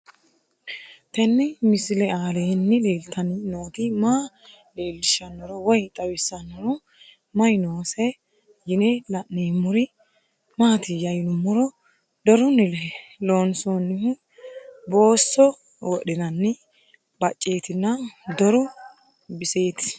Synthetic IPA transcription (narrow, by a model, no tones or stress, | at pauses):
t̪ɛnːɪmɪslɛaːleːnːɪleːlt̪ɐnɪnoːt̪ɪmaː | le̞ːlːɪʃɐnːɔɾɔwɔjt̪ʼɐwɪsːɐnːɔɾɔ | mɐjnoːsɛ | jɪnelɐnneːmʊɾɪ | maːt̪ɪjɐjnʊmːʊɾɔ | d̪ɔɾʊnɪlɛloːnsonːɪ | bo̞ːsːɔ | wɔɗɪnɐnːɪ | b̥ɐt͡ʃʼːe̞ːt̪ɪnːɐd̪ɔɾɔ | bɪseːt̪ɪ̥